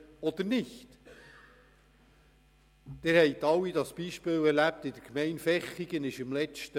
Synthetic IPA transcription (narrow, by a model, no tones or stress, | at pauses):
ɔd̪ənɪçt | d̪̥ɪɾhɛjt̪ɑwːidɑsb̥iʃpɪːwɛɾlæp̚t̪ɪd̪əɾkmɛɪnfɛχːiɡ̥ənɪʃɪmlɛt͡ʃtə